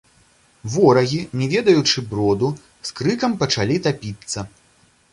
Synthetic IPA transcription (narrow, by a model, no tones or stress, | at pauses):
vɔɾɐɣʲinʲɛvʲɛd̪ɐjut͡ʂɨbɾɔd̪u | skɾɨkɐmpɐt͡ʂalʲit̪apʲit̪sːɐ